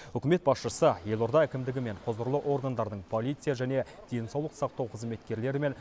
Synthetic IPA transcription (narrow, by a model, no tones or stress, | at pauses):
wʏkʲɪme̞t̪̚bɑsʃəsəje̞lˠo̞ɾd̪ɑækʲɪmd̪ɪɡʲɪme̞ɴqʰozəɾlˠəʔo̞ɾɡand̪ɑɾd̪əɴpʰo̞lˠijt̪sɨjaʒæne̞d̪̥e̞jnsɑwlˠəqsɑq̚t̪ɑwqʰəzme̞t̪kʲe̞ɾle̞ɾɪme̞n